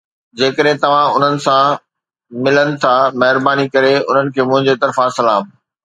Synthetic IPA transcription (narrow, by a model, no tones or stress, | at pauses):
d͡ʑeːkəɗɦɪ̃t̪ɐʋ̤ãʊn̤ənɪ̆sã | mɪlənɪ̆t̪ʰamɐɦɪɾbaːnikɐɾeʊ̰n̤ənɪ̆kʰeːmʊ̃ɦɪ̃ɲd͡ʑet̪ɐɾfãsɐlaːm